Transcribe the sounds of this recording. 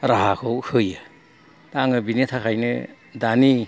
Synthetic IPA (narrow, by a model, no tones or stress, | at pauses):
ɾaɦakʰowhʰɯjɯ | taŋɯbinitʰakʰajnɯ̰ | dani